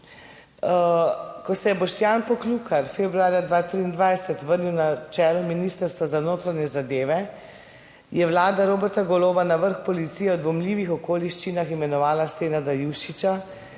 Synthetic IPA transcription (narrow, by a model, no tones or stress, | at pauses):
kɔsɛjɛbɔʃt̪jaːnpɔkluːkaɾfebɾuaːɾjad̪ʋaːt̪ɾiːnd̪ʋajsɛt̪ʋəɾniwnat͡ʃɛːlɔminiːst̪əɾst̪ʋazanoːt̪ɾanɲɛzad̪eːʋɛ | jɛʋlaːd̪aɾoːbɛɾt̪aɡɔloːbanaʋəɾxpɔlit̪sijɛɔd̪ʋɔmliːʋixɔkoːliʃt͡ʃinaximɛnɔʋaːlaseːnad̪ajuʃit͡ʃa